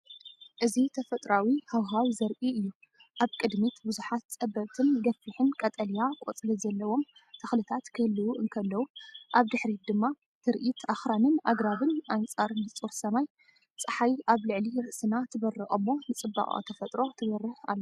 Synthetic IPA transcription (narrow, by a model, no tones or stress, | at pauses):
ʔɨzit̪ʰɐfɐt̪ʼɾawihawɦawzɐɾʔiɨjːu | ʔaβkʼɨd̪mit̪bɨzuħat̪t͡sʼɐbɐβt̪ʰɨnɡɐfɨħɨnkʼɐt̪ʼɐlijakʼo̰t͡sʼlizɐlːɐwo̞mt̪ʰɐxlɨt̪ʰat̪kʰɨhɨlːɨwuʔɨŋkʰɐlːɐwuʔaβd̪ɨħɾid̪ɨmːa | t̪ʰɨɾʔit̪ʰʔaxɾanɨnʔaɡɾaβɨnʔant͡sʼaɾɨnɨt͡sʼuɾsɐmaj | t͡sʼɨħajʔaβlɨʕliɾɨʔsɨnat̪ʰɨβɐrːɨʔʼɐmːo̞nɨt͡sʼɨbːa̰χʼa̰t̪ʰɐfɐt̪ʼɾo̞t̪ʰɨɡɐrːɨha̰lːo